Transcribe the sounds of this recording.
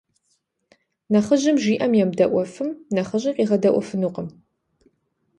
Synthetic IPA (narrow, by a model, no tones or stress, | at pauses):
nɐχəʑɪmʒiːʔɐmjɛmdɐʔʷɔfɨmnɐχəʑɐqʼiːʁɐdɐʔʷɔ̰fɨnuːqəm